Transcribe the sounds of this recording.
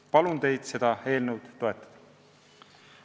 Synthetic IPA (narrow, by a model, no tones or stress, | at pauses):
pɑlunt̪e̞jd̪̥se̞d̪̥ɑe̞ːlnewd̪̥ːo̞e̞t̪ːˑɑ̥d̥̪ɑ